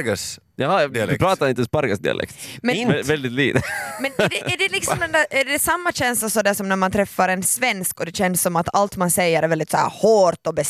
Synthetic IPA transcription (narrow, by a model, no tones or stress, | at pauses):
ɡas | jɑːpʰɾɑːt̪aɾɪnt̪əɔspaɾɡasd̪ɪ̰a̰lʔɛ̰kt̪mɛnnvɛld̪ɪt̪liːt̪əmɛnɛæɖɛlɪksɔmd̪ɛnd̪æɾæɖɛsamːaɕɛnsasɔd̪æʂɔmnæɾmant̪ʰɾɛfːaɾɛnsvɛnskɔd̪ɛɕɛnsːɔmat̪ʰalt̪mansɛjːəɾæɾvɛld̪ɪt̪sɔæ̰ɾhoːɾt̪ɔbɛ